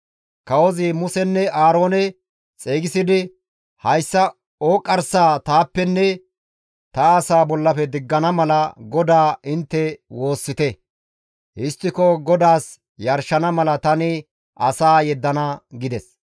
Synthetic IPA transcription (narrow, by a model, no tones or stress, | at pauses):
kɐwɔzɪmʊsɛnːɛʔaːɾo̞ːnɛ | t͡sʼeːɡɪsɪd̪ɪ | hɐjsːɐ | oːkʼːɐɾsaːt̪aːpːɛnːɛ | t̪ɐːsaːbɔlːɐfɛd̪ɪɡːɐnɐmɐlɐɡɔd̪aːʔɪnt̪ːɛwo̞ːsːɪt̪ɛ | ʔɪst̪ːɪkɔɡɔd̪aːs | jɐɾʃːɐnɐmɐlɐt̪ɐnɪ | ʔɐsaːjɛd̪ːɐnɐɡɪd̪ɛs